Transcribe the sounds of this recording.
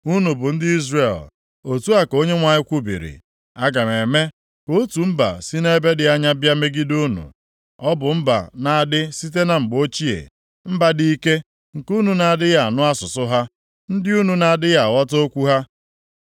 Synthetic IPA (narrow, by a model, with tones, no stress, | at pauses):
u˦nu˨bʊ˨n̩˦dɪ˦i˦zre˨l | o˨tu˦a˨ko˦ɲe˦ŋʷa˨ɲɪ˦kʷu˦bḭ˨ɾḭ˨ | a˦ɡa˨me˨me˦ | ko˦tu˨m̩˦ba̰˨si˦ne˦be˦dɪ˨a˦ɲa˦bja˦me˦ɡi˦du˦nṵ˨ | ɔ˦bʊ˨m̩˦ba̰˨na˨a˨dɪ˦si˦t̬e˦na˨ŋ͡m̩˨ɡ͡bo˦t͡ʃi˦ḛ˨ | m̩˦ba˦di˦i˦ke˦ | ŋ̩˨ku˦nu˨na˨dɪ˦ja˨a˨nʊ˦a˦sʊ˨sʊ˦ɦa˦ | n̩˦dɪ˦u˦nu˨na˨a˨dɪ˦ja˨a˨wɔ˦to˦kʷu˦ɦa˦